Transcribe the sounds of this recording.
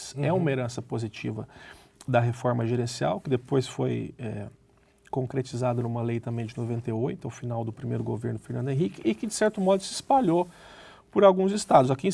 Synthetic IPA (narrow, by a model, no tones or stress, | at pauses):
sɛũmɐeɾɐ̃sɐpozit͡ʃivɐ̰ | d̪ɐɦefɔɾmɐʒeɾẽsia̰wkɪd̪epojsfojɛ | kõŋkɾet͡ʃizad̪ɐnũmɐlejt̪ɐ̃mbẽj̃d͡ʒɪnovẽnt̪ejojt̪ʊɐwfinawd̪ʊpɾimejɾʊɡoveɾnʊfeɾnɐ̃nd̪ẽɦikɪʔɪkɪd͡ʒɪsɛɾt̪ʊmɔd̪ʊsɪɪspaʎo | pʊɾawɡũzɪst̪ad̪ʊzakĩ